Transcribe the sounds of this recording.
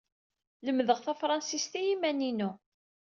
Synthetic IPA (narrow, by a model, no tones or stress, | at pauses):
ləmːðəʁθæfɾˤɑnsist̪æjimæninu